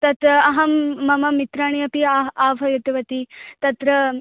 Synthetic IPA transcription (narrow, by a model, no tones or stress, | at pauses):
t̪ɐt̪ɾɐɐɦɐmːɐmɐmit̪ɾaːɳ̃ijɐpiaaːʋʱɐjɐt̪iʋɐt̪it̪ɐt̪ɾɐ